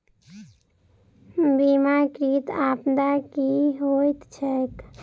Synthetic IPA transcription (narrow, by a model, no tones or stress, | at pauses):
bimakɾit̪apd̪akiɦojt̪t͡ʃʰɛt̪